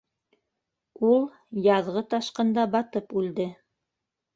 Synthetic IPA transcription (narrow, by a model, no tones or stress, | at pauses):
ulˠ | jɑðʁɤt̪ɑʃqɤ̆nd̪ɑbɑt̪ɤpʉld̪ɘ